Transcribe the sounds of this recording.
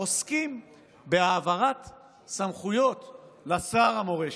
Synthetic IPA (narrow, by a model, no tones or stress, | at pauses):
oskim | beaːvaʁat̪ | samχujo̞t̪lasaːʁamo̞ʁe